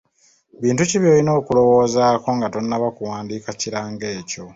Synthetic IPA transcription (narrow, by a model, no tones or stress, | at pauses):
βiːntuciβjo̞ːlino̞ːkulo̞wo̞ːzaːko̞ŋɡatonːaβakuwaːndiːkaciɾaːŋɡe̞ːco̞